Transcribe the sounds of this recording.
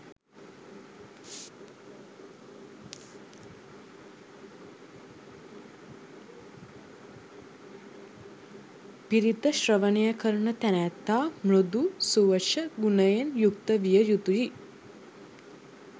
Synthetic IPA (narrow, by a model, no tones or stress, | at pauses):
piɾit̪əʃrəʋənejəkəɾunət̪ænæt̪ːaːmɾud̪usuʋəʃəɡunəjenjuk̚t̪əʋijəjut̪uji